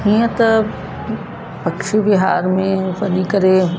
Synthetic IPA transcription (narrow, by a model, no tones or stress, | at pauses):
ɦiːə̃t̪ɐ | pɐkʃibɪɦa̰ːɾmẽʋɐnikɐɾe